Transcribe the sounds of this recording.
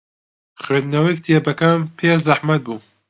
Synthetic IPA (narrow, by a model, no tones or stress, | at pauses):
xweːd̪nɐwekt̪ʰijebɐkampʰeːzaħmɐt̪̚buː